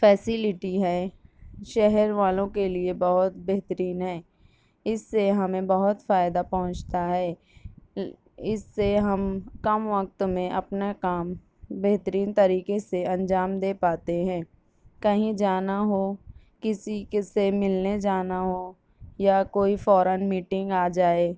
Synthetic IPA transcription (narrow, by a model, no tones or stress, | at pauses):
fɛːsɪlɪʈiɦɛːʃɛɦɛɾʋaːlõkeliebɐɦʊt̪bɛɦt̪əɾiːnɦɛː | ɪsːeɦɐmẽbɐɦʊt̪faːɪd̪apɐɦʊ̃t͡ʃt̪aɦɛː | ɪsːeɦɐmkɐmʋək̚t̪mẽʔɐpnakaːm | bɛɦt̪əɾiːnt̪ɐɾiːkeseɐ̃nd͡ʒaːmd̪eːpaːt̪eɦɛ̃ː | kɐɦĩd͡ʒaːnaɦo | kɪsikesemɪlned͡ʒaːnaɦoː | jakoːifɔːɾənmiːʈɪ̃ŋɡaːd͡ʒaːeː